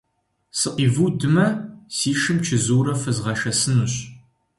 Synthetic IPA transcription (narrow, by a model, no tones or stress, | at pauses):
sɨqiːvuːdɨmɐsiːʃɨmt͡ʃʰɪzuːɾɐfɨzʁɐʃɐsɨnuɕ